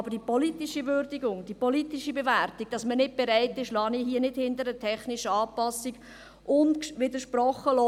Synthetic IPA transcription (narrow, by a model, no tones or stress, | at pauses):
ɑbəɾd̥ipɔlitiʃiʋøɾdiɡʊŋd̥ipɔlitiʃibeværtiɡ̥̚d̥ɑsmənɪt̚b̥eɾæɪtɪʃlɑːniɦiːənɪdhɪndəɾətʰɛχniʃəɑːpɑsːiɡ | ʔʊntʋɪdəɾʃprɔχːəlɔ